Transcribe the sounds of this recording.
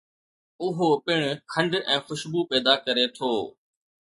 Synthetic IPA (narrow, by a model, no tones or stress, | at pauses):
ʊɦopɪɽ̃ʊkʰɐ̃ɳɖɛ̃ːxʊʃbuːpɛːd̪akɐɾet̪ʰoː